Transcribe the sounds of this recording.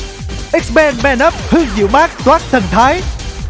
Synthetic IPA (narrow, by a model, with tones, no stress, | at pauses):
ʔi˦˥k̚sɓɛː˧nmɛ˧nə˦˥p̚hɨ˧əŋzɨ̰˧˥wmaː˦˥k̚t̪waː˦˥k̚t̪ʰə˨˩nt̪ʰaː˨˦j